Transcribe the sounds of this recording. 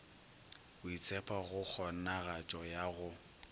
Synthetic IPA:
ʊit͡sʰʼɛpʰaɣʊk͡xʰɔnaɣat͡ʃʼɔjaɣʊ

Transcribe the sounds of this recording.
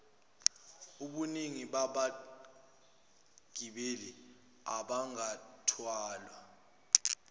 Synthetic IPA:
uɓuniŋiɓaɓa | ɡ̥ʱiɓeli | a̰ɓaŋatʰwaːlwa

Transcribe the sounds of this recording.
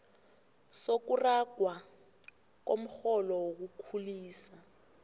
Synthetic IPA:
sok̬uraɡ̥ʱwa | k̬om̩xɔlɔwok̬ukʰuliːsa

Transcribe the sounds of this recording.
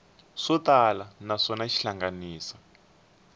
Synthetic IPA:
ʂɔtalanaʂɔnaʃiɬaŋɡaniːsḁ

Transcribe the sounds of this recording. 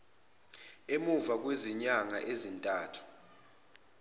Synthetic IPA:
emuvak̬weziɲaŋaʔezintʼaːtʰu̥

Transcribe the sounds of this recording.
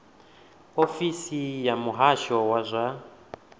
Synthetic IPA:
ofisijamuɦaʃɔwazʷa

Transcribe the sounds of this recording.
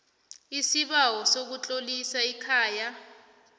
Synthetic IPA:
isiɓawɔsok̬ut͡ɬʼolisaikʰaːja

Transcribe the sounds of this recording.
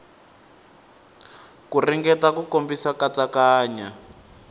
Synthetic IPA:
kuriŋɡɛtakukombisakat͡sakaːɲa

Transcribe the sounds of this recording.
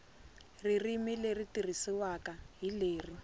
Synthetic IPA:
ririmileritir̤isiwakaɦileːri

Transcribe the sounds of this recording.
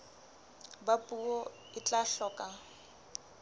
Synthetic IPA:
bapʼuɔ | ɪt͡ɬʼaɬɔːkʼa

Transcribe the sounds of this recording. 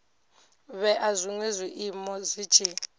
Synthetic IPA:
βɛʔazʷiŋwiziʔimɔzi̥t͡ʃʼi

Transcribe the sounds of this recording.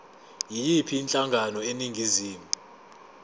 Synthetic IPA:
jijipʰiːnt͡ɬʼaŋɡʱanɔeniŋɡʱiziːmu

